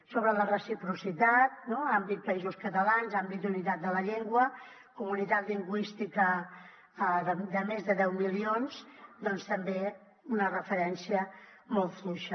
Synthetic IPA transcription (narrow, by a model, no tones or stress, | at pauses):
soβ̞ɾələrəsipɾusit̪at̪̚noambit̪̚pəizuskət̪əlanzambit̪̚d̪unit̪at̪̚d̪ələʎeŋɡwə | kumunit̪at̪liŋɡwist̪ikə | əəd̪əmezðəðɛwmilionzd̪ɔnst̪əmbe | unərəfəɾɛnsiə | molˠt̪fluʃə